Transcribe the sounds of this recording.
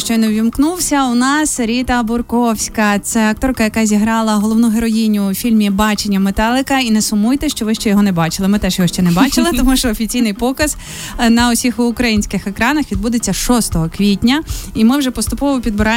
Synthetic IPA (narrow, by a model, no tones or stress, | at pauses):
ʃt͡ʃɔjnɛʋʲimknuwsʲɐʊnɑsɾʲit̪ɐbʊrkɔwsʲkɐt̪sɛɐk̚t̪ɔrkɐjɐkɑzʲiɦɾɑlˠɐɦɔlˠɔʋnuɦeɾɔjinʲʊːfʲilʲmʲibɑt͡ʃenʲːɐmet̪ɑlˠɪkɐinɛsʊmujt̪ɛʃt͡ʃɔʋɪʃt͡ʃɛjɔɦɔnɛbɑt͡ʃɪlˠɪmɪt̪ɛʃjɔɦɔʃt͡ʃɛnɛbɑt͡ʃɪlˠɪt̪ɔmuʃt͡ʃɔɔfʲit͡sʲijnɪjpɔkɐz̥ | nɐɔsʲixːkɾɐjinʲsʲkɪxekɾɑnɐxʋʲid̪̚bud̪et͡sʲːɐʃɔst̪ɔɦɔkʋʲitʲnʲɐimɪwʒɛpɔst̪ʊpɔʋɔpʲid̪bɾɑ